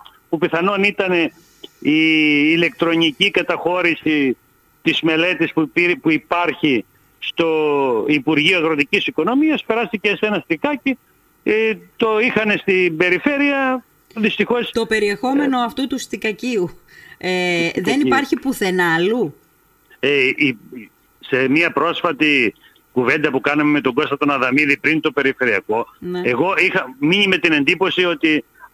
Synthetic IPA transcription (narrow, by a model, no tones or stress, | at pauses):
pupiθɐnonit̪ɐne̞ | iːle̞k̚t̪ɾo̞nicikɐt̪ɐxo̞ɾisi | t̪izme̞le̞t̪ispupipuipɐɾçi | st̪o̞ipuɾʝioɐɣɾo̞t̪icisiko̞no̞miɐspe̞ɾɐst̪icese̞nɐst̪ikɐci | et̪o̞ixɐne̞st̪ibe̞ɾife̞ɾiɐ | ðist̪ixo̞st̪o̞pe̞ɾie̞xo̞me̞no̞ɐft̪ut̪ust̪ikɐciueððenipɐɾçipuθe̞nɐlu | ei | se̞miɐpɾo̞sfɐt̪i | kuve̞nd̪ɐpukɐnɐmemet̪o̞ɡo̞st̪ɐt̪o̞nɐðɐmiðipɾint̪o̞pe̞ɾife̞ɾiɐko̞neeɣo̞ixɐmiɲime̞t̪ine̞nd̪ipo̞sio̞t̪i